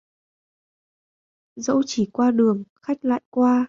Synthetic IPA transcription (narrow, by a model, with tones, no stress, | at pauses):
zə̰˧˥wt͡ɕi˧˩kwaː˧ɗɨ˨˩əŋxa˦˥jk̟̚la̰ː˧˨jkwaː˧